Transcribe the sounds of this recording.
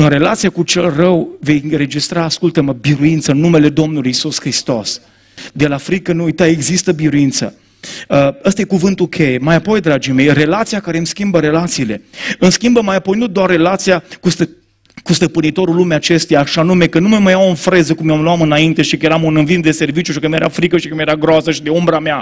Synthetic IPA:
ɨnɾe̞lat̪sijakut͡ʃe̞lrəwve̞jɨnɾe̞d͡ʒist̪ɾaːskult̪əməbiɾuint̪səɨnːume̞le̞d̪o̞mnulujisuskɾist̪o̞s | d̪e̞lafɾikənuujt̪ae̞ɡzist̪əbiɾuint̪sə̰ | əəst̪aje̞kuvɨnt̪ukʲʰe̞jemajapo̞jd̪ɾad͡ʒime̞jre̞lat̪sijakaɾe̞mskʲimbəɾe̞lat̪siːle̞ɨmskʲimbəmajapo̞jnud̪oarːe̞lat̪sijakust̪ə | kust̪əpɨnit̪o̞ɾulːumeat͡ʃe̞st̪ejaʃanume̞kənuməməjawonfɾe̞zəkumjanloamɨnaint̪e̞ʃikəjeɾamunɨnvind̪e̞se̞rvit͡ʃjuʃikəmjeɾa̰fɾikəʃikəmjeɾaɡɾoasəʃid̪eumbɾamea

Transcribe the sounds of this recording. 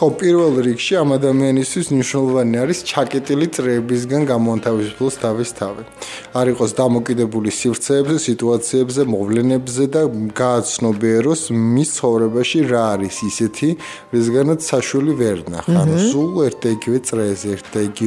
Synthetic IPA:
χɔpʼiɾvɛlˠɾikʃiamad̪amianist̪ʰwismniʃwnɛlˠɔvaniaɾist͡ʃʰakʼɛt̪ʼilit̪sʼɾɛːbis̬ɡanɡamɔant̪ʰavisu̥pʰlˠɔst̪ʰavist̪ʰavi | aɾiqʼɔsd̪amɔkʼid̪ɛbulisivɾt̪sʰɛːbzɛsit̪ʼuat̪sʰiɛbzɛmɔvlɛnɛbzɛd̪aɡaːt̪sʰnɔbɛɾɔsmist̪sʰχɔvɾɛbaʃiɾaːɾisisɛt̪ʰi | ɾisɡanat̪sʰːaʃwɛlivɛɾna̰χa̰nsulˠɛɾt̪̚ʰd̪aiɡivɛt̪sʼɾɛːzɛɛɾt̪ʰd̪aiɡi

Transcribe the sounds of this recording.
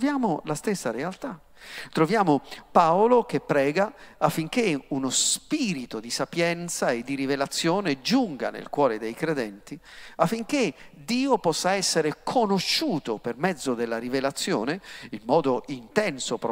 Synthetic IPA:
vjaːmolast̪esːaɾealt̪a | t̪ɾovjaːmopaolok̟epːɾɛːɡaafːiŋk̟eunospiːɾit̪od̪isapjɛnt̪saed̪ːiɾivelat̪sːjoːned͡ʒuŋɡa̰nḛlkwɔːɾed̪ejkɾed̪ɛnt̪i | afːiŋk̟ed̪iːopɔsːaɛsːeɾekʰonoʃːuːt̪opermɛd̪zːod̪elːaɾivelat̪sːjo̰ːneinːɔːd̪oint̪ɛnsop

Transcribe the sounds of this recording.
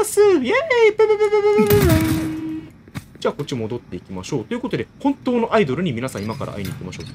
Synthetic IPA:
sɨjeepebɯbɯbɯbɯbb | d͡ʑaːko̞t͡ɕimo̞d̪o̞t̪ːe̞ikʲimaɕo̞ːt̪oiɯ̟ko̞t̪o̞d̪e̞hõ̞nt̪o̞ːno̞ʔaid̪o̞ɾɯ̟ɲ̟iminasãimakaɾʔa̰ʔa̰iɲ̟it̪ːemaɕo̞̰ː

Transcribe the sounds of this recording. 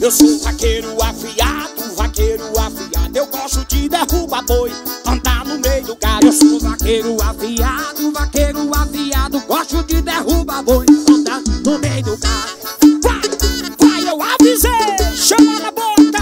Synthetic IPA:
ewsovakejɾʊafiad̪ʊvakejɾʊafiad̪ʊewɡɔʃt̪ʊd͡ʒɪd̪ehubabojɐ̃nd̪aɾnʊmejʊd̪ʊɡaɾewsovakejɾʊafiad̪ʊvakejɾʊafiad̪ʊɡɔʃt̪ʊd͡ʒɪd̪ehubabojɐ̃nd̪aɾnʊmejʊd̪ʊɡaɾvavajewavizeʃɐmanabot̪ɐ

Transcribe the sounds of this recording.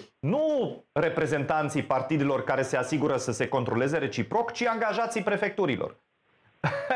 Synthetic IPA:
nure̞pɾe̞ze̞nt̪ant̪sijpart̪id̪elo̞rkaɾe̞se̞asiɡuɾəsəse̞ko̞nt̪ɾo̞le̞ze̞ɾe̞t͡ʃipɾo̞kt͡ʃiaŋɡaʒat̪sijpɾe̞fe̞k̚t̪uɾilʔo̰r

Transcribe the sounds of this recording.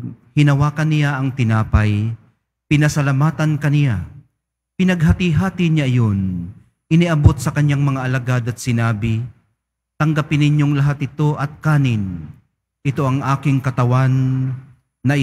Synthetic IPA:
hɪnɐwaːkɐnɪjaʔɐŋt̪ɪnaːpɐj | pɪnɐsɐlɐmaːt̪ɐnkɐnɪja | pɪnɐɡ̚ɦat̪iɦaːt̪ɪɲaʔɐjo̞n | ʔɪnɪʔɐbo̞t̪̚sɐkɐɲːaŋmɐŋaʔɐlɐɡad̪ɐt̪̚sɪnaːbɪ | t̪ɐŋɡapɪnɪɲjoŋlɐɦat̪̚ɪt̪o̞ʔɐt̪̚kaːnɪn | ʔɪt̪o̞ɐŋʔaːkɪŋkɐt̪ɐwanː | ɐ

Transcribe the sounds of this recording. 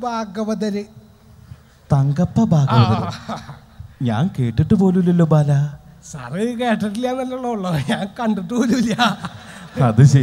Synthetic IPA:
bʱaːɡɐʋɐðɐɾɨ | t̪ɐŋɡɐpːɐbʱaːɡɐʋɐðɐɾṵ | ɲaːnke̞ːʈːiʈːɨpo̞ːlulilːobaːlasɐrikeːʈːɐʈːiljaːnɐlːɐɭːɐuɭːɐɲaːnkɐɳɖɨʈːoːluiljɐ | ɐðɨɕe

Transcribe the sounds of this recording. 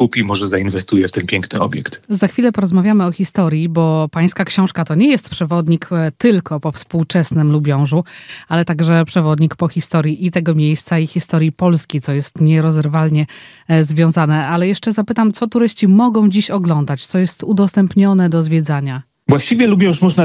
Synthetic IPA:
kupʲimɔʐɛzainvɛst̪ujɛft̪ɛnpʲjɛŋknɘɔ̰bʲjɛkt̪zaxfʲilɛpɔɾɔzmavʲjamɘɔxʲist̪ɔɾʲjibɔpaj̃skakɕɔ̃w̃ʂkat̪ɔɲɛjɛst̪pʂɛvɔd̪ɲikt̪ɘlkɔpɔfspuwt͡ʂɛsnɘmlubʲjɔ̃w̃ʐualɛt̪aɡʐɛpʂɛvɔd̪ɲikpɔxʲist̪ɔɾjiʔit̪ɛɡɔmʲjejst̪saixʲist̪ɔɾʲjipɔlskʲejt̪sɔjɛst̪ɲɛɾɔzɛɾvalɲɛ | zvʲjɔ̃w̃zanɛalɛjɛʂt͡ʂɛzapɘt̪amt̪sɔt̪uɾɘɕt͡ɕimɔɡɔ̃w̃d͡ʑiɕɔɡlɔnd̪at͡ɕt̪sɔjɛst̪ud̪ɔst̪ɛmpɲɔnɛd̪ɔzvʲjɛd̪zaɲa | vwaɕt͡ɕivʲjɛlubʲjɔ̃w̃ʂmɔʐna

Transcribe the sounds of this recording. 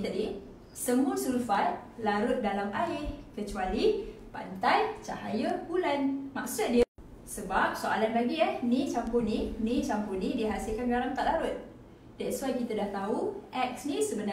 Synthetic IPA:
t̪adi | səmũəsulufajlaɾʊt̪̚dalamʔaɪkət͡ʃualipa̰nt̪ajt͡ʃa̰hajəhulanmaksʊt̪̚diə | səbap̚soʔalanlaɡiəhnit͡ʃampʊrninĩt͡ʃampʊrnĩdiɦasilkanɡɡalamt̪aʔlaɾʊt̪̚ | dɛʔswajkit̪adaht̪auʔɛk̚snĩsəbəna

